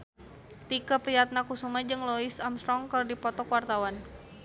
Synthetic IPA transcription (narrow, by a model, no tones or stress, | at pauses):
t̪ikəpɾiat̪̚nakusumad͡ʒɨŋlɔisamst̪ɾɔŋkərdipɔt̪ɔkwart̪awan